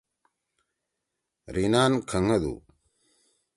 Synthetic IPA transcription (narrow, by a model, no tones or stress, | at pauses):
ɾinankʰəŋəd̪ṵ